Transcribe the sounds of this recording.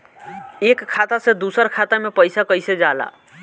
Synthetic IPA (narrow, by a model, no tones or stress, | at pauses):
ekkʰːat̪asẽd̪usəɾkʰat̪amepəjsakəjsed͡ʒala̰